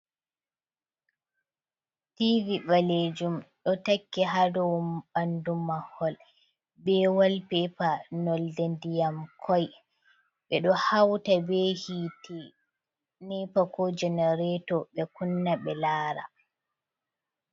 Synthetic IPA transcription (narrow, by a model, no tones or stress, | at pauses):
tivibaled͡ʒumɗɔtakːɛɦadɔwumɓandumahɔl | bɛwalpɛpanɔldendijamkʰɔj | ɓɛɗɔhawtabɛhiːtɛ | nɛpakɔd͡ʒɛnɛɾɛtɔɓɛkunːaɓɛlaːɾa̰